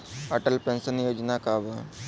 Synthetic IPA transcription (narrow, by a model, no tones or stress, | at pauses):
əʈəlpẽnsənjoːd͡ʒnakaːbə